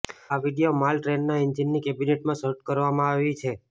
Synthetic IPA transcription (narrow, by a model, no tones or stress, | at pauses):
aʋiɖijomalʈɾennaɪnd͡ʒinːikebineʈmãʃəɾʈ̚kəɾʋamãaʋit͡ʃʰe